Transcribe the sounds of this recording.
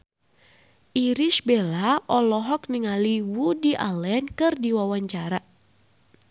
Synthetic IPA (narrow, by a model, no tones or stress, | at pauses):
ʔiɾiʃbɛlaʔɔlɔɦɔk̚niŋaliwudiʔa̰lɛnkɨrdiwawaɲt͡ʃaɾa